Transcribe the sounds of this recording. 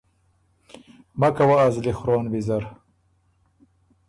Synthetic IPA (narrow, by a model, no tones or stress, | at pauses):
makawaːzlixɾoːnbizaɾ